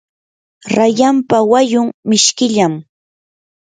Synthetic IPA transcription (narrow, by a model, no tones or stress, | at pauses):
ɾajampawajʊŋmɪʃkɪʎam